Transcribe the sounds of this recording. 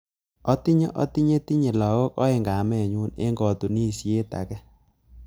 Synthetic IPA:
ɔ˦ti˦ɲɔ˦ʔɔ˦ti˦ɲe˦ti˦ɲe˨lɔ˨wo˦kɔ˦e˨ŋɡa˨˦mɛ˨ɲu˦nḛ˦ŋɡɔ˨tu˨ni˦˨sje˦ta̰˨kɛ˦

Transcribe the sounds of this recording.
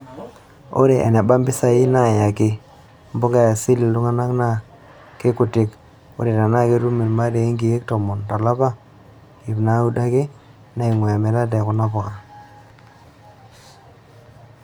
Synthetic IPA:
o̰˦ɾe˨ʔḛ˨ne˨ba˦mbɪ˦sa˨ɪ˦na˦˨ja˨kɪ˦ | mbʊ˦ŋɡa˦ja˨si˦li˨du˦ŋa˦na˦kna˦ | ke˦kʊ˨tɪ˦k | o̰˦ɾe˨ta˨na˦ke˦ɾu˦mi˨lma˦de˨˦ŋɡi˨je˦k̚tɔ˨mɔ˨nta˨la˦ba˦ | i˨pna˦u˦da˦ke˦ | na˦i˨ŋwe˨a˨me˨la˦dɛ˨kʊ˨na˦pɔ˨ka˨

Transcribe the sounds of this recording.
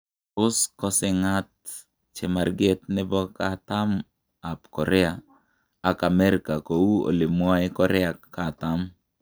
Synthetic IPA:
ʊ˦skɔ˦sɪ˨ŋa˦t̚ | t͡ʃe˨ma˨ɾɡe˦t̪̚nɛ˦bɔ˦ka˦ta˦m | a˨pkɔ˨ɾɛ˦a˨ | a˨ka˨mɛ˦ɾkako˨wu˦o̰˨li˨mwa˦ɪ˦kɔ˨ɾɛ˦a˨ka˨ta˦m

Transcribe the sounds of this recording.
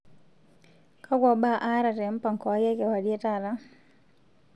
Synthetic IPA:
kʰa˦ɡwɔ˨ba˦ʔa˦ɾa˨tɛ˨˦m˦pa˨ŋkɔ˨a˦jɛ˦kɛ˨wa˨dje˦ta˦˨ɾa˦

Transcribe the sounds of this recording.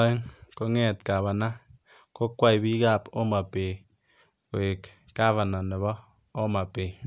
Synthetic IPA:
e˦ŋko˦ŋɛ˦˨tka˨βa˨na˦ | ko˦kwa˦i˨bi˦ka˦˨po˦ma˨pe˨ | ko˨e˨k | ka˦βa˨na˨ne˨βɔ˦ | o˦ma˨pe˨

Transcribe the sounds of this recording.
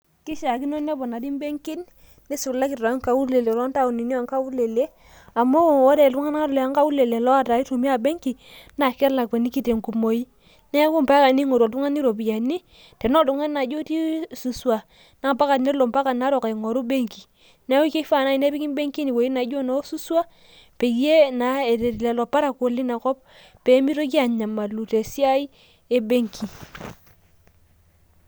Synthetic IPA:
ki˦ʃa˨ki˦no˦ne˦bɔ˨na˨di˦m˦be˦ŋki˦nː | i˦su˨la˦ki˨tɔ˨˦ŋka˨˦wu˦ɾle˨le˨lɔ˦nta˦˨u˨ni˨ni˦a˨ŋka˦wu˦le˨le˦ | a˨mo˦wɔ˦de˨du˦ŋa˦n˦a˦ɾle˨a˦ŋka˦wu˦le˨le˨lɔ˦a˦ta˨i˦to˨mi˦a˨be˦ŋki˨na˨kɛ˦ɾla˨e˨ni˦ki˦te˨ŋku˨mo˨i˦ | ne˦ku˦mpa˦ka˨ni˦ŋo˨ɾo˨du˦ŋa˦ni˦ɾo˨bi˨a˨ni˦ | te˨no˦˨du˨ŋa˦na˨d͡ʒo˦ti˦su˨su˨a˨ | na˨˦˨pa˦ka˨tne˦lɔ˨mpa˦ka˨na˨˦ɾɔ˨ka˨ŋɔ˨ɾu˦be˦ŋki˨ | nɛ˦wu˦ke˦fa˨na˦i˨ne˦pi˦ki˦m˦be˦ŋki˦ni˨wo˨i˦na˨d͡ʒo˦nɔ˨˦su˦swa˦ | pe˨kje˦na˨˦e˨te˨ɾi˨lɛ˨lɔ˨pa˦ɾa˨ko˨li˦na˨kɔ˦p̚ | pe˨˦mi˦ɾo˦k̬i˦a˨ɲa˨ma˨lu˨te˨si˦a˦i˦ | e˨be˦ŋkʰi˨

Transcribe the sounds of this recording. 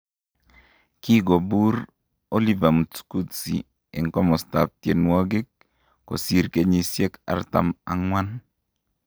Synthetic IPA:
ki˦ɡo˨bu˦ɾ | o˦li˦va˨mu˨sku˦tsḭ˨ | ḛ˨ŋkɔ˦mɔ˨st̪a˨p̚tje˨nwɔ˦ɡɪ˦k̚ː | o̰˨si˦ɾke˦ɲi˦sje˦ka̰˨rt̪a̰˨ma̰˨ŋwa˦n

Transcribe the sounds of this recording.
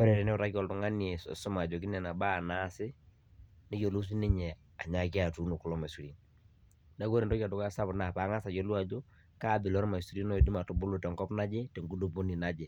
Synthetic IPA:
pɛ˦ɾɛ˨ɾɛ˨nɛ˦ʊ˨ta˦ki˦ɔ˨ltʊ˨ŋa˦ne˨ssʊ˦ma˨d͡ʒɔ˨k̬i˦nɛ˨na˨ba˦˨na˦sɪ˦ | nɪ˦ko˨lu˦s̬i˦nɪ˦ɲɛ˨ | a˨ɲa˨ki˦a˨tu˨˦no˨kʊ˦lɔ˦ma˨su˨ɾi˨n | da˦ko˦ɾe˨ndɔ˦ka˨dʊ˦ka˦sa˦bʊ˨na˨paː˨˦ŋa˦sa˨jɔ˦lwa˨d͡ʒo˦ | ka˦bɪ˨lɔ˦ɾma˨su˨˦ɾi˦nɔ˦je˨di˦ma˨tʊ˨bʊ˦lo˨tɛ˨ŋɡɔ˦pna˦d͡ʒe˦tɛ˨ŋɡu˦do˦bo˦ni˨na˦d͡ʒe˨

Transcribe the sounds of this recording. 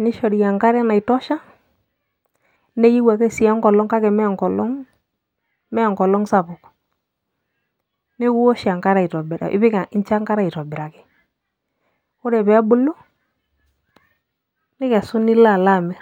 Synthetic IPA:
nɪ˦ʃɔ˨ɾi˨ja˨ŋka˦ɾɛ˦na˨ɪ˨tɔ˦ʃa˦ | ne˦ji˦wa˨kɛ˦si˨a˦ŋkɔ˨lɔ˦ŋka˦kɛ˨mɛ˦˨ŋkɔ˨lɔ˦ŋ | mɛ˦a˨ŋkɔ˨lɔ˦ŋsa˨bʊ˨k | nɪ˦ku˦wɔ˦ʃa˨ŋka˦ɾa˨i˨tɔ˨bɪ˨ɾa̰˨ʔɪ̰˦bɪ˦ka˨ɪ˦nt͡ʃa˦ŋka˦ɾa˦i˨tɔ˨bɪ˨ɾa˨kɪ̥˨ | ʊ˦ɾɛ˨bɛ˦bʊ˦lo˦ | nɪ˦kɛ˨sʊ˦nɪ˦la˦˨la˦˨mɛ˨

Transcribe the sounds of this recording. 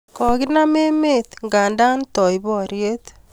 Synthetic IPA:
kɔ˨ɣi˦na˦me˦me˦t̪ŋɡa˨nda˦ntɔ˨iβɔ˨ɾje˦t̪

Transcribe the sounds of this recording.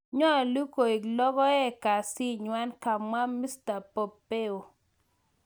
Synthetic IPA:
ɲɔ˦a˨lu˦ko˨i˨klɔ˦ɡɔ˦ɛ˦ka˨si˦ɲwa˦nka˨mwa˦mi˦sta˨po˨pe˦o˨

